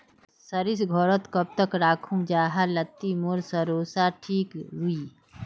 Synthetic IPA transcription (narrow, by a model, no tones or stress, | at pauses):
səɾisɡʱɔːɾət̪kɐb̚t̪əkɾaːkʰũd͡ʒaːɦalɐt̪ːimoɾsəɾoːsaʈʰiːkɾui